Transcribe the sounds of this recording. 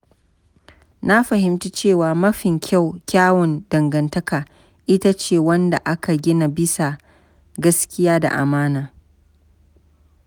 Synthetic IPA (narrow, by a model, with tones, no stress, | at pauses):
na˦ɸɐ˨ɦɪ˦mti˦t͡ʃeː˦˨waː˨mɐ˦ɸɪ˨ŋkʲʰa˦˨wkʲaː˦wɔ˨ndɐ˨ŋɡɐ˨ntɐ˦kaː˨ | ʔɪ˦ta˦t͡ʃeː˦˨wɐ˦nda˨ʔa˦ka˨ɡʲɪ˦na˨bɪ˦sa˨ | ɡɐ˦skʲɪ˦jaː˦da̰˨ʔa̰˨maː˦naː˨